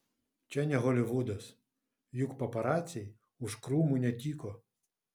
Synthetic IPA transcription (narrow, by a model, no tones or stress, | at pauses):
t͡ʃɛnʲɛɦɔlʲiʋud̪ɐs | jukpɐpaɾat͡sʲij | uʂkɾumunʲatʲikɔ